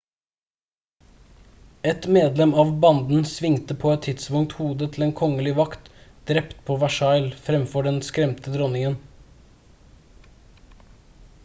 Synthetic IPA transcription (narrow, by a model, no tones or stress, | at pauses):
ɛt̪meːd̪lɛmɑːʋbɑnd̪n̩sʋɪŋt̪əpʰoːɛt̪ʰːɪd̪spʊŋt̪huːd̪ət̪ʰl̩eːnkʰɔŋəlɪʋɑkt̪d̪̥ɾɛpt̪pʰoːʋæʃɑɪlfɾɛmfɔɖɛnskɾɛmt̪əd̪ɾɔnɪŋən